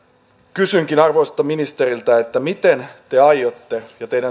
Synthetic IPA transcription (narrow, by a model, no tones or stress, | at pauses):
kysyŋkinɑrʋoist̪ːɑminist̪erilt̪æet̪ːæmit̪ent̪e̞ɑjot̪ːejɑt̪eiɾæ